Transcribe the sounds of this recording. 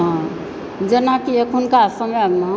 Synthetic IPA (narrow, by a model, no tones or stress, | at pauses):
ã | d͡ʒənakiekʰunkaːsəmjaɡna